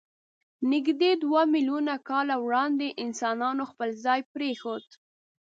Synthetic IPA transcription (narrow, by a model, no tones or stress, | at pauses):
nɪɡd̪ed̪wamiljunakɑlawɽɑnd̪eʔɪnsɑnɑnoxpəlzɑjpɾexod̪